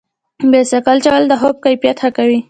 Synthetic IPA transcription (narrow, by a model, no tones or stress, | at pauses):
besakalt͡ʃawald̪əɦop̚kajpjat̪xakawi